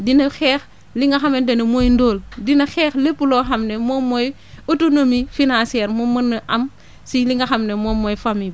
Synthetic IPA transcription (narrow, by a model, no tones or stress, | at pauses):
dinɐxɛːx | liŋɡɐxamendɐnɐmojndoːldinɐxɛːxlepːuloːxɐmnemomoj | utonomifinãsiɛːɾmomɐnːɐʔɐm | siliŋɡɐxamnemomojfami